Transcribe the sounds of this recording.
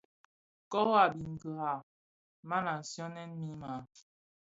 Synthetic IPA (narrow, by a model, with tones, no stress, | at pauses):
kɔ˦wa˨bi˨ŋ̩˨kə˨ha˨ | ma˦na˨sjɔ˦nɛ˦nmi˦ma˨